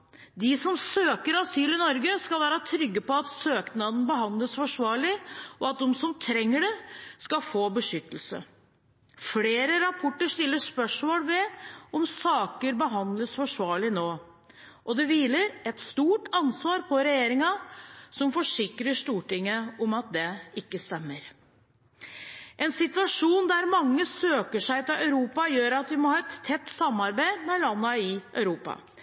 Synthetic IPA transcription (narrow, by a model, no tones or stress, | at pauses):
d̪ɪsɔmsøːkəɾɑsyːlɪnɔɾɡəskɑlʋæːɾət̪ʰɾʏɡːəpɔɑt̪søːknɑd̪n̩bəɦɑnd̪ləsfɔʂʋɑːɭɪɔɑt̪̚d̪ɔmsɔmt̪ʰɾɛŋːəɖɛskɑfoːbəʂʏt̪ːəlsə̰ | fleːɾəɾɑpʰɔʈːəʂt̪ɪlːəʂpœʂmoːlʋɛɔmsɑːkəɾbəɦɑnd̪ləsfɔʂʋɑːɭɪnoː | ʔɔd̪ɛʋiːləɾɛt̪st̪uːʈɑnsʋɑːɾpʰɔɾɛjeːɾɪŋɑsɔmfɔʂɪkɾəʂt̪uːʈɪŋːəɔmɑt̪̚d̪ɛɪkːəst̪ɛmːəɾ | ʔɛnsɪt̪ʉʋɑʂuːnd̪æɾmɑŋːəsøːkəʂæɪt̪ɑœʉɾuːpɑjøːɾɑt̪ʋɪmɔhɑːɛt̪ʰːɛt̪ːsɑmːɑɾbæɪmɛlɑnːəɪʔœʉɾuːpɑ̰